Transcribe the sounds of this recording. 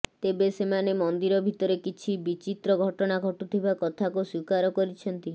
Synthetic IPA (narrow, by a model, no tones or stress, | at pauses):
t̪ebesemanemɔnd̪iɾɔbʱit̪ɔɾekit͡ʃʰibit͡ʃit̪ɾɔɡʱɔʈɔnaɡʱɔʈut̪ʰibakɔt̪ʰakuswikaɾɔkɔɾit͡ʃʰɔnt̪i